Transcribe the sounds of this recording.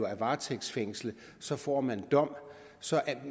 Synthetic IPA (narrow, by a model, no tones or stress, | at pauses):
æʋɑ̈ːt͡sʰeɡ̥sfeŋ̰slə | sɒ̽fɒ̰ːmænd̥ɒ̽m̰ | sɒ̽ʔæ